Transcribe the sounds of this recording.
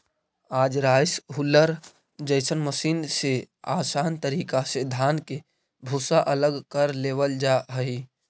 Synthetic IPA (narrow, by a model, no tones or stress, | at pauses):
aːd͡ʒɾaːjsɦʊlːəɾ | d͡ʒəɪsənməsiːnse | aːsaːnt̪əɾiːkased̪ʱaːnke | bʱusaʔələɡkəɾleːwəld͡ʒaɦəi